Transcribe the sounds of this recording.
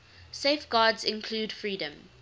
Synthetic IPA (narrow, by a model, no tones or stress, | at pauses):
sefɡ̥ɑːdzɪ̃nkʰluːdfɹiːdə̃m